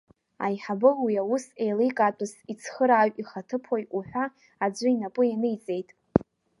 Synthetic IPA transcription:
a̰jħabɨlwiawʊsejlejkʼatʷʼɨsit͡sʰχəɾaːɥʷiχatʰɨpʰojuħᶣʷaː | d͡ʒʷɨinapʼʊjanɨjt͡sʼe̞jtʼ

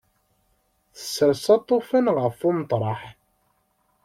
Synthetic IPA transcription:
θə̥sːəɾsɑt̪ˤːofænʁəfumt̪ˤɾˤɑħ

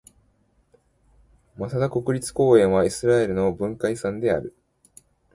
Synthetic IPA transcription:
masad̪ako̞kɯ̟ɾʲit͡sɨ̥ko̞ːẽ̞ɰ̃βaisɨɾae̞ɾɯ̟no̞bɯ̟̃ŋkaisãnd̪e̞a̰ɾɯ̟

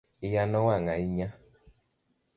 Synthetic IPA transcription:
ijanɔwaŋaiɲa

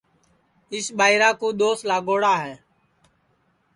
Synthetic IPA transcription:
ɪsɓaːiɾaːkũːɗ̪oːslaːɠoːɽaːɦɛː

